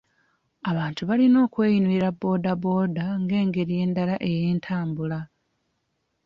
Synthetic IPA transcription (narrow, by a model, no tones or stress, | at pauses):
aβaːntuβalino̞ːkwe̞ːjinuiɾabːo̞ːdabo̞ːdaŋɡe̞ːŋɡe̞ɾije̞ːndalaʔe̞jeːntʰaːmbula